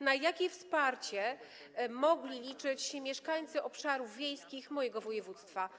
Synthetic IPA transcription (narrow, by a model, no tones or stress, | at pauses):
najakʲɛfspaɾt͡ɕɛ | mɔɡlʲilʲit͡ʂɘt͡ɕɕɛmʲjɛʂkaɲt̪sɘʔɔpʂaɾuvːʲjejskʲixmɔjɛɡɔvɔjɛvut̪st̪fa